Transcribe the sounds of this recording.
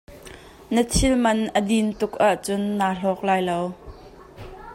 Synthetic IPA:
nət͡sʰɪlmɐnʔədint̪ʊk̚ʔaʔt͡sʊnːaːɬɔːk̚laːjlow

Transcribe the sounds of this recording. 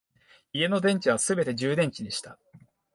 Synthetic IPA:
ie̞no̞d̪ẽ̞ɲ̟t͡ɕiβ̞asɨbe̞t̪e̞ʑɨːd̪ẽ̞ɲ̟t͡ɕiɲiɕi̥t̪a

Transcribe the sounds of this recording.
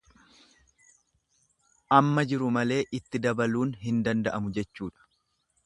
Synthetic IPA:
ʔɐmːɐd͡ʒɪɾʊmɐle̞ːʔɪt̪ːɪd̪ɐbɐluːnɦɪnd̪ɐnd̪ɐʔɐmʊd͡ʒɛt͡ʃːuːᶑɐ̥

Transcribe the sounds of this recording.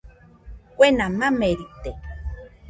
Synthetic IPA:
kʷenãmãmeɾit̪e

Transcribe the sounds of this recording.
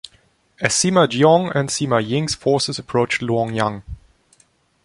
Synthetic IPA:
ɨsiməd͡ʒiɔ̃ŋə̃nsiməjɪ̃ŋsfɔɹsəzəpʰɹ̥oʊt͡ʃlɔ̃ŋjʌ̃ŋ

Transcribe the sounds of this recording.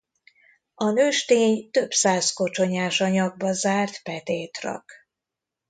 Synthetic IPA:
ɒnøːʃt̪eːɲt̪ø̞psaːzko̞t͡ʃo̞ɲaːʃɒɲɒɡ̚bɒzaːrt̪pɛt̪eːt̪rɒ̰k

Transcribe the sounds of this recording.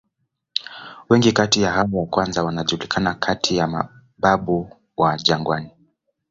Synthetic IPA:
wɛŋɡikatijahawwakwanzawanaʄuulikʰanakʰatʰijama̰ | ɓaɓu | waʄaŋɡwani

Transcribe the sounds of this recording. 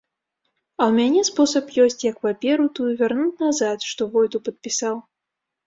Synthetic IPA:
ɐwmʲanʲɛspɔsɐpjɔsʲt͡sʲjɐkpapʲɛɾut̪ujuvʲarnut͡sʲnazat̪ʂt̪ɔvɔjt̪upɐt̪̚pʲisaw

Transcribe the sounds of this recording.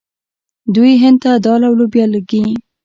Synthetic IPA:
d̪ujɦɪnd̪̚t̪ad̪ɑlawlobjɑləɡi

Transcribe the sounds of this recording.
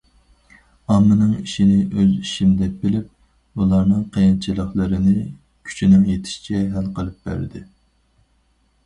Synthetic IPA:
ɑmːɨnɨŋiʃinɪʔøziʃimd̪ɛp̚bɪlɪp̚ | ulˠɑɾnɨŋqʰejɑnt͡ʃʰilˠəχlˠəɾɨnɪ | kʲʰy̥t͡ʃʰinɪŋjet̪ʰɪ̥ʃt͡ʃʰɛɦɛlqəlˠɨp̚bæ̰ɾd̪ɪ

